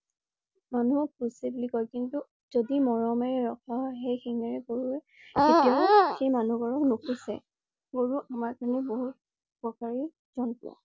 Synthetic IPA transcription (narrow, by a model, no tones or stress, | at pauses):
manuɔusiblikɔjkintu | z̥odimɔɹɔmɛɹɛɹɔkʰaɦɔjxejxiŋɛɹɛɡoɹuɛ | etiaxejmanuɡɔɹɔknukʰusɛ̰ | ɡoɹuʔamaɹkaɹnɛboɦut̚ | pɔkaɹi | zɔnpʊ̰ɔ̰